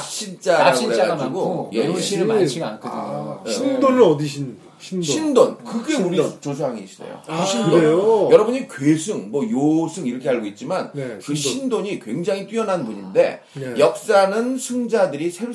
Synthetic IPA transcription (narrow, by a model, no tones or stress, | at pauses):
ɕʰint͡ɕ͈aaiɾeaɡad͡ʑiɡojeɕʰiɾt͡ɕʰiɡankʰɯdɕindonɯɾʌdiɕʰinʰ | iɕʰindonkɯɡe̞uɾit͡ɕosʰaaŋeɕ͈ʰidḛjo̰ɕʰinkdoejojʌɾʌbɯɲikwesʰɯŋmwʌjosʰɯŋiɾʌkʰe̞ɦaɭɡoit̚t͡ɕ͈imankɯɕʰindoɲikwe̞ŋd͡ʑaŋit͈iʌnɦanpuɲinde̞̰ | jʌk̚s͈anɯnsʰund͡ʑadɯɾisʰe